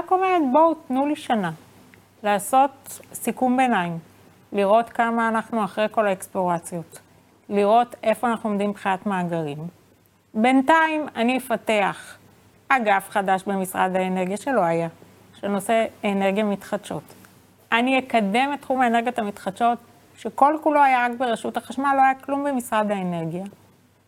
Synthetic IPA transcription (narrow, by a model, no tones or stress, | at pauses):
akomeʁet̪̚bo̞tnuliʃana | laːso̞tsikumbe̞naim | liʁo̞tkamaːnaχnuaχʁejko̞laeksplo̞ʁat͡sjo̞t | liʁo̞te̞fo̞anaχnuomd̪imbχiatmaːɡaʁim | be̞ntaimaniefate̞aχ | aɡafχadaʃbemisʁa̰dhaene̞ʁɡijaʃe̞lo̞aja | ʃeno̞se̞ːneʁɡijamitχatʃo̞t | aniekade̞metχumaeneɡjotamitχat̪ʃo̞t | ʃe̞ko̞lkulo̞ajaʁakbeʁeʃuthaχaʃmalo̞ajaklumbemisʁad̪haene̞ʁɡija